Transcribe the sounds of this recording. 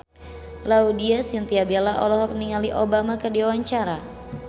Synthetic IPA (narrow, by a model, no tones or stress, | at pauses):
laudiasjaŋt̪iabelaʔɔ̰lɔɦɔk̚niŋaliʔobamakərdiwawaɲt͡ʃaɾa